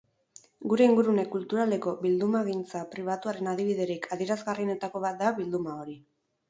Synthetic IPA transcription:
ɡuɾe̞iŋɡuɾune̞kult̪uɾale̞ko̞βild̪umaɣint͡sapɾiβat̪uaɾe̞nað̞iβiðe̞ɾikʰaðie̞ɾazɣarine̞t̪ako̞βat̪̚d̪aβild̪umao̞ɾi

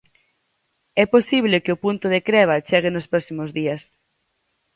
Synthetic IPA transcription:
ɛposiβlekɪopunt̪ʊðekɾɛβ̞at͡ʃɛɣ̞ɪnospɾɔksimozðiɐs

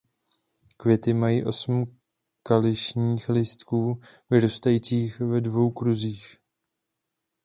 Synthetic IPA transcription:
kvjɛt̪ɪmajiːʔo̞sm̩ | kalɪʃɲiːxlɪst̪kuː | vɪɾost̪ajiːt͡siːxvɛdvo̞wkɾuziːx

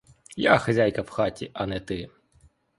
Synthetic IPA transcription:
jaxɐzʲajkɐwxɑtʲḭʔɐnɛt̪ɪ

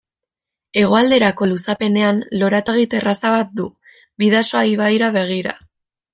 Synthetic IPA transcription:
e̞ɣ̞o̞ald̪e̞ɾako̞lusape̞ne̞anlo̞ɾat̪eɣit̪e̞rasaβat̪̚d̪u | biðasoajβ̞ajɾaβe̞ɣ̞iɾa̰

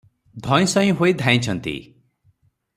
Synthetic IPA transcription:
d̪ʱɔ̃j̃sʌ̃ĩɦoid̪ʱãj̃t͡ʃʰʌnt̪ḭ

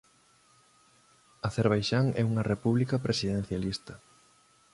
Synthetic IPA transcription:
ɐθeɾβ̞ajʃaŋɛuŋɐrepuβlikɐpɾesiðen̟θjalist̪ɐ

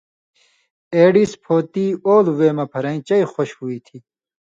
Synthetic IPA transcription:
eːɖispʰoːt̪ioːlweːmɐpʰɐɾɐ̃ĩt͡ɕɐixoɕhuit̪ʰiː

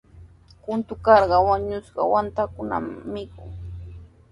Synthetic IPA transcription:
kʊnt̪ʊkɑɾɢɑwaɲʊsɢɑ̰want̪akʊna̰mmːɪkʊ̰ŋ

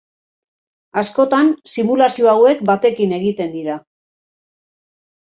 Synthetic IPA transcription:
asko̞t̪ansimulasio̞awe̞kbat̪e̞kine̞ɣ̞it̪e̞nd̪iɾa

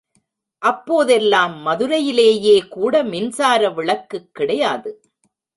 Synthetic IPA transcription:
ʔɐpːoːðɛlːaːmːɐðɯɾɐjɪleːjeːkuːɽɐmɪnsaːɾɐʋɪɭɐkːɯkːɪɽɐjaːðɯ

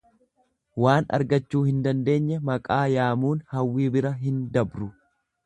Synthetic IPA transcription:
waːnɐ̰ɾɡɐt͡ʃːuːhɪnd̪ɐnd̪e̞ːɲːɛmɐkʼaːjaːmuːnhɐwːiːbɪɾɐɦɪnd̪ɐbɾʊ

